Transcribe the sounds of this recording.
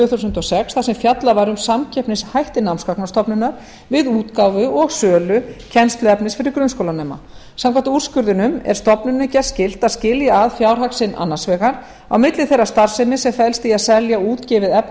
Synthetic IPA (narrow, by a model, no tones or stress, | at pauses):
ʏːθusʏnt̪ɔsɛksθawsɛmfjat̪lavajɾʏmsamcʰɛpnɪshajht̪ɪnawmskaknast̪ɔpnʏnːaɾ | vɪðuːt̪kawvʏɔɣsœːlʏcʰɛnst̪lʏɛpnɪsfɪɾɪɾkɾʏnskowlanɛma̰ | samkʰvant̪aur̥skʏɾðʏnʏmɛ̰ɾ̥st̪ɔpnʏnːʏcɛ̥scɪl̥t̪aðscɪljaaðfjaːwɾ̥ɦaksɪnʔa̰nːansvɛːɣaɾ | a̰wmɪt̪lɪθɛjrːast̪ar̥sɛmɪsɛmfɛlst̪iaðsɛljauːt̪cɪvɪðɛpn